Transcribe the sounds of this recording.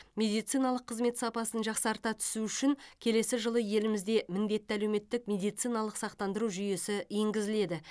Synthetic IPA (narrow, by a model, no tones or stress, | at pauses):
mʲe̞d̪ijt̪sijnɑlˠəqʰːəzme̞t̪sɑpɑsənʒɑqsɑɾt̪ɑt̪ʰʏ̥suʏʃɪŋkʲʰe̞le̞sɪʒəlˠəje̞lɪmɪzd̪e̞mɪnd̪e̞t̪ːɪælewme̞t̪ːɪk̚mʲe̞d̪ijt̪sijnɑlˠəqsɑq̚t̪ɑnd̪əɾuʒʏje̞sɪjeŋɡʲɪzɪle̞d̪ɪ